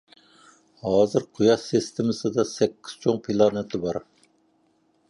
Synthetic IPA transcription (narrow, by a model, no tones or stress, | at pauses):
hɑːzɨɾqʰujɑʃest̪ʰɪmɨsɨd̪ɑsɛkʲːi̥z̥t͡ʃʰoŋpʰilˠɑnɛt̪ʰɪbɑɾ